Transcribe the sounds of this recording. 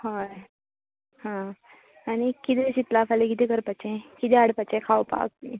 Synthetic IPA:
hoj | hã | aɽ̃ikit̪eɕit̪lafalekit̪ɛkəɾpat͡ɕẽkit̪ɛaɽpat͡ɕekʰawpa̰k̪̚i

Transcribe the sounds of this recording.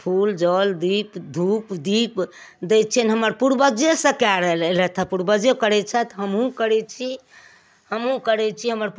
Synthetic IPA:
pʰuld͡ʒɔld̪ipd̪ʱupd̪ip | d̪ɛt͡ʃʰɛnɦəməɾpuɾbəd͡ʒesə̃kaɾəllɛt̪ʰəpuɾbəd͡ʒekəɾɛt͡ʃʰɛt̪ɦəmɦũkəɾɛt͡ʃʰi | həmɦũkəɾɛt͡ʃʰiɦəməɾp

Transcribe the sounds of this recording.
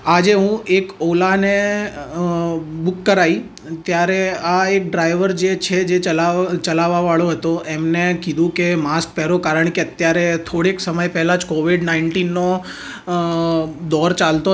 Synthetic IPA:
ad͡ʒeɦũʔekolane | bukːəɾai | t̪jaɾeaek̚ɖɾaiʋəɾd͡ʒet͡ʃʰed͡ʒeəlat͡ʃəlaʋaʋaɭoɦət̪oemnekid̪ʱũkemask̚pɛɾokaɾəɳkeət̪jaɾet̪ʰoɽeksəməjpɛɦɛlãd͡ʒkoʋiɖnaiɳʈinːo | d̪ɔɾt͡ʃalt̪o

